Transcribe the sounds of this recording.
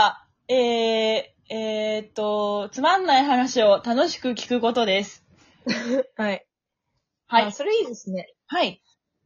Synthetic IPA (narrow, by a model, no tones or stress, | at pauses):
eː | eːt̪ːo̞t͡sɨmãnːaiɦanaɕio̞t̪ano̞ɕi̥kɯ̟kʲi̥kɯ̟ko̞t̪o̞d̪e̞sɨ̥ | hai | haiso̞ɾeiːd̪e̞sɨne̞ | hai